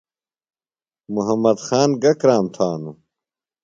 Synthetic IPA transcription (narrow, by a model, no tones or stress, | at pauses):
muɦɐmːɐd̪xaːnɡɐkɾaːmt̪ʰaːnu